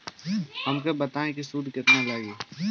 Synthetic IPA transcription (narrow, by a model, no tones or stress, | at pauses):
hɐmkebɐt̪aːẽkisuːd̪kɪt̪nalaːɡieː